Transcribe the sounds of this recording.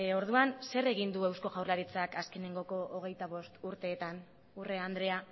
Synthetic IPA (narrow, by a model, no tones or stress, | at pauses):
o̞ɾðuanse̞re̞ɣ̞ind̪ue̞wsko̞ɣawrlaɾit͡sakaske̞ne̞ŋɡo̞ko̞ʔoɣ̞e̞jt̪aβo̞st̪uɾt̪e̞ːt̪an | ure̞and̪ɾe̞a